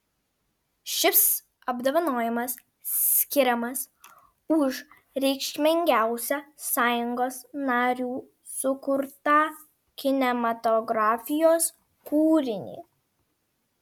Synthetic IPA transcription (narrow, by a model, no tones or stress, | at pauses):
ʃʲɪs | ɐbd̪ɐʋɐnoːjɪmɐsʲ | kʲɪɾʲɛmɐs | ʊʃ | ɾʲɛɪkʃʲmʲɪŋʲɡʲæˑʊsʲɛsɑːjʊŋɡoːsnɑːɾʲuː | sʊkʊɾt̪ɑː | kʲɪnʲɛmɐt̪ɔɡɾɑːfʲɪjoːs | kuːɾʲɪnʲḭː